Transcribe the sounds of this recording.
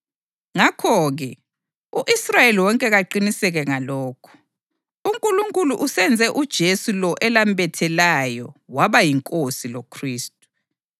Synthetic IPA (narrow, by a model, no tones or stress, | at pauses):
ŋakʰɔɣɛ | uʔisrajeliwɔŋkʼɛɣaǃinisɛɣɛŋalɔːkʰɔ̥ | uŋkʼuluŋkʼuluʔusɛnd͡zʱɛʔud̥ʒ̥ʱesulɔʔɛlambɛtʰɛlajɔwaβajiŋkʼosilokʰriːstʼu